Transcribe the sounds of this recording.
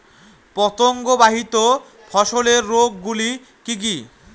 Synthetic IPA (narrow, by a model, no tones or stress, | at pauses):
pɔt̪oŋɡobaɦit̪o | fʰɔʃoleɾːoɡːuli | kik̬i